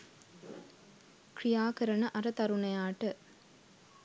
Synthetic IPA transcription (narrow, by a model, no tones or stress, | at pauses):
kɾijaːkɐɾɐnɐʔɐɾɐt̪ɐɾunɐjaːʈɐ